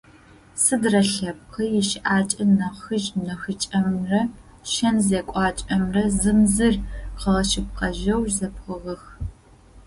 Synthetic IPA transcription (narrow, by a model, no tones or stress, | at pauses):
sɨdrɐɬɐp̚qʰəjɪʃʔaːt͡ʃʼɐnɐχɨʒnɐxit͡ʃʼɐmrɐ | ʃɐnzeːkʷʼɑːt͡ʃʼɐmrɐzɨmzɨrqɐʁɐʃɪp̚qɐʒɐwʒzɐpqəʁɐx